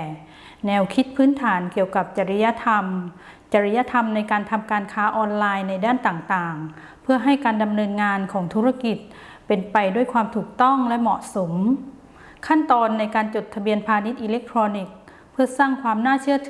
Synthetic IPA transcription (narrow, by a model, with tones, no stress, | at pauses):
nɛː˧wkʰi˦˥t̪̚pʰɯː˦˥nt̪ʰaː˩˦nki˨˩əwka˨˩p̚t͡ɕa˧˩ɾi˦˧˥ja˦˧˥t̪ʰa˧m | t͡ɕa˧ɾi˦˧˥ja˧˥t̪ʰa˧mna˧jkaː˧nt̪ʰa˧mkaː˧nkʰaː˦˥ʔɔː˧nlaː˧jna˧jdaː˥˩nt̪aː˨˩ŋt̪aː˨˩ŋ | pʰɯ˥˩ɐɦa˥˩jkaː˧nda˧mnɤː˧nŋaː˧nkʰɔː˩˦ŋt̪ʰuː˦˥ɾa˧˥˧ki˨˩t̪̚ | pe˧npa˧jdu˥˩əjkʰwaː˧mt̪ʰuː˨˩k̚t̪ɔ˥˩ŋlɛ˦˥mɔ˨˩ʔso˩˦m | kʰa˥˩nt̪ɔː˧nːa˧jkaː˧nt͡ɕo˨˩t̪ʰːa˧bi˧ənpʰaː˧ni˦˥t̪̚ʔi˧le˦˥k̚t̪ʰɾɔː˧ni˨˩k̚ | pʰɯ˥˩ɐsaː˥˩ŋkʰwaː˧mnaː˥˩t͡ɕʰɯ˥˩ɐt̪ʰː